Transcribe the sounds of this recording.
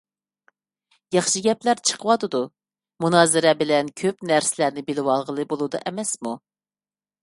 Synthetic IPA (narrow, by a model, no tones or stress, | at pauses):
jɑχʃɨɡʲɛplæɾt͡ʃʰə̥qʰəwɑt̪ɨd̪u | munɑːzɪɾɛbɪlɛnkʲʰøpnæɾsɪlæɾnɪbɪlɪwɑlˠʁəlˠɨbolˠud̪ɑ̰ʔɛmɛsmu